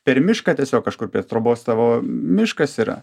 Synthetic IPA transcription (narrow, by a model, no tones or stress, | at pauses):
pʲɛɾmʲɪʃkɐtʲiɛsʲoːkkɐʃkʊɾpʲiɛt̪ɾoːboːst̪ɑʋoːmʲɪʃkɐsiːɾɐ̰